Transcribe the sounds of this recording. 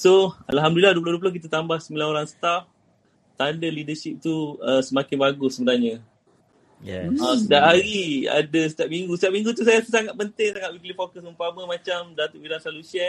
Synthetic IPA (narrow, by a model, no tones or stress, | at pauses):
soa̰lɦamdulilahduəplohduəp̬lohk̬it̪at̪ambahsəmilanoɾaŋsə̥t̪af | t̪andəlidəʃip̚t̪uəsəmakɪnbaɡʊsːəbənaɲə̃ | jɛ̰asət̪iaʔ̚ɦaɾia̰dəsə̥t̪ijap̚miŋɡusət̪iap̚miŋɡut̪us̬ajassaŋat̪̚pənt̪ɪŋsaŋat̪̚bibilifokəsumpaməmãt͡ʃamdat̪uʔbilansaluʃiən